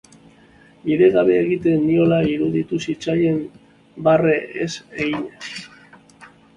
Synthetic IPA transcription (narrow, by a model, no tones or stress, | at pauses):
biðe̞ɣaβe̞ːɣit̪e̞nd̪io̞laiɾuðit̪usit͡saje̞m | bare̞ʔeseɣiɲes